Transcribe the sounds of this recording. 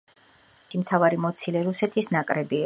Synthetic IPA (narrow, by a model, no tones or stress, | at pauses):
t̪ʰimt̪ʰavaɾimɔt̪sʰilɛɾusɛt̪ʰisnakʼɾɛbi